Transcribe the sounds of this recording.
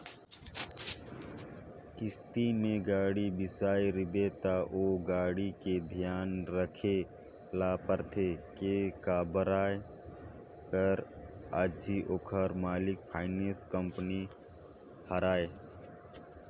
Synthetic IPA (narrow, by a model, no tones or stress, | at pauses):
kɪst̪imẽɡaːɽibɪsaːeɾɪbet̪aʔoːɡaːɽiked̪ʱijaːnɾəkʰe | laːpəɾt̪ʰekekaːbəɾaːe | kəɾaːd͡ʒiʔoːkʰəɾmaːlɪk̚pʰaːɪneːskəmpni | həɾaːe